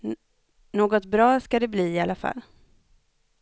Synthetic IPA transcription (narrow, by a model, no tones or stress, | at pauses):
noːɡɔt̪bɾɑːskad̪ɛbliːɪalafa̰lː